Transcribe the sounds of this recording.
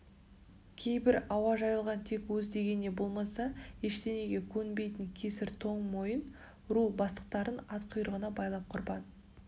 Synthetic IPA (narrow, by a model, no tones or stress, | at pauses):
kʲʰe̞jbɪɾɑwɑʒɑjəlˠʁɑnt̪ʰe̞kwɵzd̪e̞ɡʲe̞nːe̞bo̞lˠmɑsɑeʃt̪e̞ne̞ɡʲe̞kʲʰɵnbe̞jt̪ɪŋkʲʰe̞sɪɾt̪ʰoɴmo̞jən | ɾubɑst̪ə̥q̚t̪ɑɾənɑt̪qʰʊjəɾəʁənɑbɑjlˠɑp̚qʰʊɾbɑd̪ə